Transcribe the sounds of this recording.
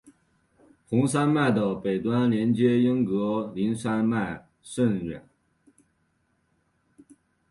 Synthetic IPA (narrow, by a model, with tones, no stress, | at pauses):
xʊ˧˥ŋʂ̬a˥nma˥˩ɪd̪ə˨pe˨˩ɪt̪wa˥nljɛ˧˥nt͡ɕjɛ˥jə˥ŋkɤ˧˥li˧˥nʂa˥nma˥˩ɪ | ʂə˥˩nɥɛ̰˨˩˦n